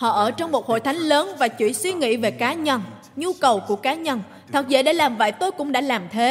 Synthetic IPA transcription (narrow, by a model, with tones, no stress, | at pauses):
hɔ̰˧˨ʔəː˧˩t͡ɕɔ˧wŋ͡mmo˨˩t̚ho̰˧˨jt̪ʰa˨˦jŋ̟ləː˨˦nvaː˨˩t͡ɕwḭ˧˩ənswi˧ŋḭ˧˥ve˨˩kaː˨˦ɲə˧˩n | ɲu˧kə˨˩wku˧˩əkaː˨˦ɲə˧n | t̪ʰə˨˩k̚zḛ˧˩ɗe˧˩laː˨˩mvə̰ː˧˨jt̪o˧jkʊ̰˧˥ŋ͡mɗa̰ː˧˥laː˨˩mt̪ʰe˨˦